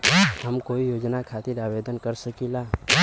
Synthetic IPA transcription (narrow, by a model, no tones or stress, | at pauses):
həmkoːijoːd͡ʒnakʰaːt̪ɪɾaːʋed̪ənkəɾsəkilaː